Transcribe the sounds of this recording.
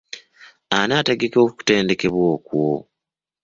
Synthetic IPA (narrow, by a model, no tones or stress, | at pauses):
anaːteɡe̞koku̥ku̥te̞ːnde̞ke̞βwoːkwo